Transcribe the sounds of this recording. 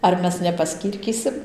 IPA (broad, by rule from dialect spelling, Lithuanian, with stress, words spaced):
ɐr ˈmʲɛs nʲɛpɐˈsʲkʲiːrʲkʲiːsʲɪm